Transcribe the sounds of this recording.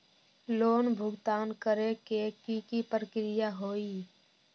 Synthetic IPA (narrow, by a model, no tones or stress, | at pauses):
loːnbʱʊɡt̪aːnkəɾekekiːkipəɾəkɾɪjaɦoːiː